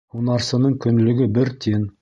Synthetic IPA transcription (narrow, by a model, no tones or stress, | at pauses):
unɑɾsə̆nəɴkʲʰʏnlɪ̆ɡʲɪbɪɾt̪ʲʰe̞n